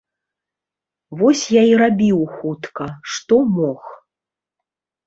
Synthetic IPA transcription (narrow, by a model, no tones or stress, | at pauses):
vɔsʲjaiɾabʲiwxut̪kɐʂt̪ɔmɔx